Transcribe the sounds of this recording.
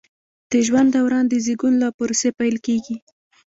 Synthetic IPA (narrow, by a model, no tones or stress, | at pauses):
d̪̥əʒwand̪ːawɾɑnd̪əziɡunlɑpʊɾosepajlkeɡi